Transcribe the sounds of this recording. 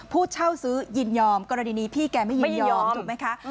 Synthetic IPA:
pʰuː˥˩t̪̚t͡ɕʰa˥˩wsɯː˦˥ji˧njɔː˧mkɔː˧ɾa˧niː˧niː˦˥pʰiː˥˩kɛː˧ma˥˩ji˧˩˧njɔː˧mː˧t̪u˨˩kma˦jkʰa˦˥ʔ

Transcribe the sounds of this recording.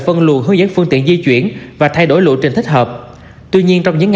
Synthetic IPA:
fə˧nlu˨˩nɦəː˧˦zə̰˧˥ŋfɨ˧ŋt̪ḭ˧˨ənzi˧t͡ɕwi˧˩ənvaː˨˩t̪ʰa˧jɗo˧˩jlṵ˧˨t͡ɕi˨˩ŋt̪ï˦˥k̟̚hɦəː˨˩p̚ | t̪wi˧ɲi˧ənt͡ɕɔ˧wŋ͡mɲɨ̰˧˥ŋː

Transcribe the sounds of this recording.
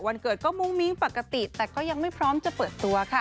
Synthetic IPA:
wa˧nkɤː˨˩t̪̚kɔː˥˩mu˦˥ŋmi˧˦˥ŋpa˨˩ka˧t̪i˨˩t̪ɛː˨˩kɔː˥˩ja˧ŋma˥˩jpʰɾɔː˦˥mt͡ɕa˨˩pɤː˨˩t̪ːu˧ɐkʰa˥˩

